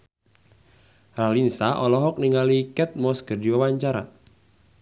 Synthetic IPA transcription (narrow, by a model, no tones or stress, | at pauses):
ralinsaʔɔlɔɦɔk̚niŋalikɛt̪̚mɔskərdiwawaɲt͡ʃaɾa̰